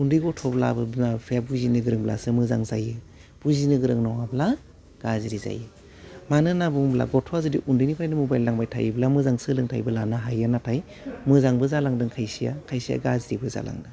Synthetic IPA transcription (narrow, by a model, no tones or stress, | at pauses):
undɯjɡɔtʰɔbla̰bɯnapʰeabuzinɯɡɯɾɯŋbla̰sɯmɯzaŋzajɯ | b̥uzinɯɡɯɾɯŋnawabla | ɡ̥aziɾiza̰jɯ | manɯnabuŋbla̰ɡɔtʰɔazɯdiʔundɯjnipʰɾajnɯmubajlːaŋbajtʰa̰jiblamɯzaŋsɯlɯŋtʰa̰jbɯlanaɦajɯnatʰaj | mɯzaŋbɯzalaŋdɯŋkʰajsija̰kʰajsija̰ɡaziɾibɯza̰la̰ŋdɯ